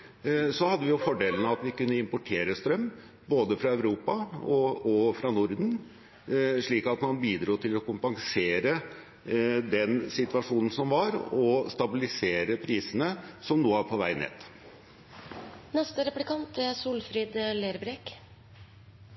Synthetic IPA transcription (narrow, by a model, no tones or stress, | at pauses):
sɔhɑd̪ːəʋɪjʊfɔɖeːlənəɑt̪ʋɪkʉnːəɪmpɔʈʰeːɾəst̪ɾœmː | boːd̪əfɾɑœʉʋɾuːpɑɔɔfɾɑnʊɾd̪n̩ | ʂɭiːkɑt̪mɑnbiːd̪ɾuːt̪ʰɪlɔkʊmpɑŋseːɾə | d̪ɛnsɪt̪ʋɑʂuːnən̩sɔmʋɑɾɔst̪ɑbɪlɪseːɾəpʰɾiːsənəsɔmnuːəæɾpʰɔʋæ̰ɪnḛːt̪ | nɛst̪əɾɛplɪkʰɑnt̪æsuːlfɾiːd̪leːɾbɾɛk